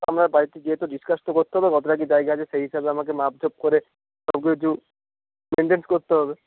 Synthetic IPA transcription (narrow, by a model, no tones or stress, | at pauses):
a̰mɾaɾbaɾit̪id͡ʑiet̪oɖiskast̪okoɾt̪eɦɔbeɡɔt̪oɾaɡid͡ʑajɡaad͡ʑeseɦiʃabeamak̬emap̚d͡ʒʱob̚koɾe | sɔbk̬ekit̪u | meɳʈenskoɾt̪eɦɔbe